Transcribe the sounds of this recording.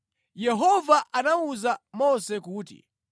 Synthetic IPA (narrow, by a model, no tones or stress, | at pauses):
jɛɦɔvaʔanauzamɔsɛkuːtḭ